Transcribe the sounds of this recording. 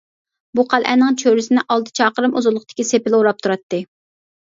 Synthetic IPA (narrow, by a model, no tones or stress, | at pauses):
buqʰælˠʔɛ̰nːɪŋt͡ʃʰøɾɪsɪnɪʔɑlˠt̪ʰɨ̥t͡ʃʰɑːqəɾɨmuzʊlˠːʊχ̚t̪ɪ̥kʲisepɪloɾɑp̚t̪ʰuɾɑt̪ːɨ